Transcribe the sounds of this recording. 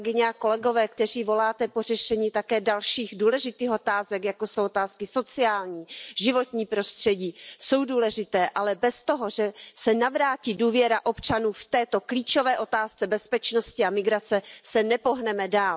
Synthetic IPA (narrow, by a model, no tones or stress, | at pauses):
ɡɪɲɛako̞lɛɡo̞vɛːkt̪ɛr̝iːvo̞laːt̪ɛpo̞r̝ɛʃɛɲiːt̪akɛːdalʃiːxduːlɛʒɪt̪iːxot̪aːzɛkjako̞sowot̪aːskɪso̞t͡sɪaːlɲiːʒɪvo̞t̪ɲiːpɾo̞st̪r̝̥ɛɟiːso̞wduːlɛʒɪt̪ɛːʔalɛbɛst̪o̞ɦo̞ʒɛsɛnavɾaːciːduːvjɛɾaʔo̞pt͡ʃanuːft̪ɛːt̪o̞kliːt͡ʃo̞vɛːʔo̞t̪aːst͡sɛbɛspɛt͡ʃno̞scɪamɪɡɾat͡sɛsɛnɛpo̞ɦnɛmɛdaːl